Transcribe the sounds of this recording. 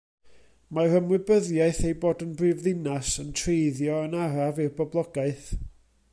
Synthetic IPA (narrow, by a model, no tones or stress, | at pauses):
marəmwɪbəðjaɨθejboːdənbrivðɪnasəntʰrejðjɔənaɾavɨrbɔblˠɔɡaɨθ